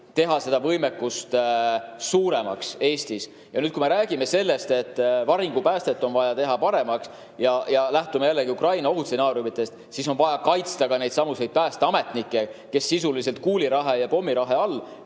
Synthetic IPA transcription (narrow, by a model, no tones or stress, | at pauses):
t̪e̞ɦɑse̞d̪̥ɑvɤjmekːust̪ | suːɾe̞mɑ̰kse̞ːst̪is | jɑnyːt̪̚kume̞ɾæːɡ̥ime̞se̞lːe̞st̪e̞t̪ːvɑɾiŋɡ̥upæːst̪et̪ːˑo̞nvɑjɑt̪e̞ɦɑpɑɾe̞mɑks | jɑjɑlæht̪ume̞jælːeɡiukrɑjnɑo̞ɦut̪senɑːɾjumit̪ːˑe̞st̪ | siso̞nvɑjɑkɑjt̪st̪ɑɡɑne̞jd̪sɑmuse̞jd̪̥̚pæːst̪eɑme̞t̪nikːˑe̞ke̞sːisulise̞lt̪̚kuːliɾɑɦejɑpo̞mːiɾɑɦeɑlː